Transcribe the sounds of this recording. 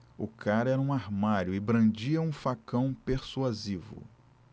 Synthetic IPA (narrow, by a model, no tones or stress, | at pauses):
ʊkʰaɾɛɾɐũaɾmaɾjʊɪbɾɐ̃d͡ʒiɐũfakɐ̃w̃peɾsuazivʊ̰